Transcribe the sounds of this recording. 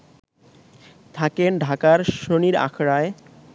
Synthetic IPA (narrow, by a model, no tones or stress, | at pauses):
t̪ʰakenɖʱakaɾʃoniɾa̰kʰɾae